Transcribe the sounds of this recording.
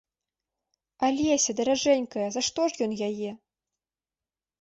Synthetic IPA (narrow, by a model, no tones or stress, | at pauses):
alʲɛsʲɐd̪ɐɾaʐɛnʲkɐjɐzaʂt̪ɔʐjɔnjajɛ